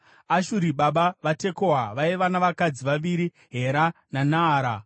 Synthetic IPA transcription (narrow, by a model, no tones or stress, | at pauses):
aʃuɾiɓaɓaʋate̞koɦaʋaiʋanaʋakad͡ziʋaʋiɾi | ɦe̞ɾananaːɾa